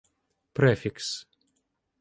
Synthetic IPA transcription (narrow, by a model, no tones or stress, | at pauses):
pɾɛfʲiks